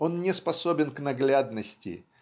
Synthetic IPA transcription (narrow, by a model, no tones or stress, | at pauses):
o̞nnʲɪspɐsobʲɪnknɐɡlʲad̪nəsʲtʲɪ̰